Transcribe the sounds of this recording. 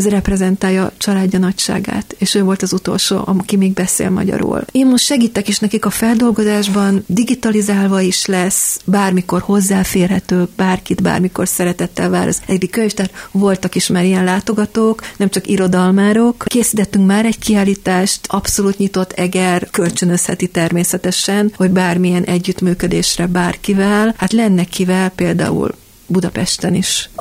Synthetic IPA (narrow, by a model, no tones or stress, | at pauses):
ɛzɾɛprɛzɛnt̪aːjɒt͡ʃɒlaːɟːɒnɒcʃa̰ːɡa̰ːt̪eːʃøːvo̞lt̪ɒzut̪o̞̰lʃo̰ːʔɒ̰kimeːɡ̚bɛsḛːlmɒ̰ɟɒ̰ɾo̰ːleːnmoʃt̪ʃɛɡiːt̪ːɛkiʃnɛkikɒfɛld̪o̞lɡo̞zaːʒbɒnd̪iɡit̪ɒlizaːlvɒiʃlɛsbaːrmiko̞rho̞zːaːfeːrɦɛt̪øːbaːrkit̪ba̰ːrmiko̞̰rsɛɾɛt̪ɛt̪ːɛlvaːɾɒ̰zɛd̪ikːøɲeʃt̪aːt̪vo̞lt̪ɒkiʃmaːɾijɛnlaːt̪o̞ɡɒt̪oːknɛmt͡ʃɒkiɾo̞d̪ɒlmaːɾo̞kkeːsit̪ɛt̪ːyŋkmaːɾɛɟkiaːliːt̪aːʃt̪ʔɒpso̞luːt̪ɲit̪o̞t̪ʰːɛɡɛrkølt͡ʃønø̞shɛt̪it̪ɛrmeːsɛt̪ɛʃɛnho̞ɟbaːrmiɛnʔɛɟːyt̪myːkø̞d̪eːʃrɛbaːrkivɛlhat̪lɛnːɛkivɛlpeːld̪a̰ːṵl | bud̪ɒpɛʃt̪ɛniʃ